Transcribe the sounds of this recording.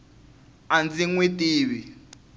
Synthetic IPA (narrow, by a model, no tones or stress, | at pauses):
and͡ziŋwetʼiːβi